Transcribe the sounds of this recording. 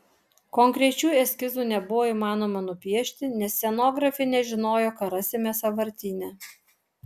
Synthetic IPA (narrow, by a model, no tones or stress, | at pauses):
kɔŋkɾʲɛt͡ʃʲuːɛsʲkʲɪzuːnʲɛbʊʋoːiːmɑːnoːmɐnʊpʲiɛʃʲt̪ʲɪnʲɛsʲsːʲɛnoːɡɾɐfʲɛnʲɛʒʲɪnoːjoːkɐɾɐsʲemʲɛsɐʋɐɾʲt̪ʲiːnʲɛ